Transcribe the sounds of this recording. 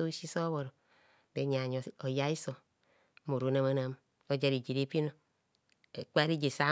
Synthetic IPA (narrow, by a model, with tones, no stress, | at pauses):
o˦ʃi˦so˦βo˨ɾo˨ | be˨˦ɲa˨ɲ˨o˨ja˦i˦so˨˦ | mo˨ɾo˨˦na˦ma˦na˦m | o˦d͡ʒa˦ɾi˨d͡ʒi˨ɾe˦pi˦no˦ | e˨k͡pa˦ɾi˦d͡ʒe˨sa˦